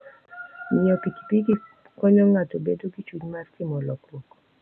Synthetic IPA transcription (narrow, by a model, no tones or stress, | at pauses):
mɪɔpiki̥piɡi | kɔɲɔŋatobedoɡit͡ʃuɲmarkɪmɔlɔklɔk